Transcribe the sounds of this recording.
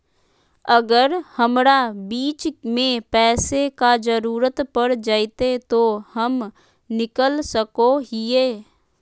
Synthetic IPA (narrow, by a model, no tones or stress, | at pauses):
əɡəɾhəmɾabiːt͡ʃmẽpɛːsekad͡ʒəɾuːɾət̪pəɾd͡ʒaːit̪et̪ohəm | nɪkəlsəkoɦɪeː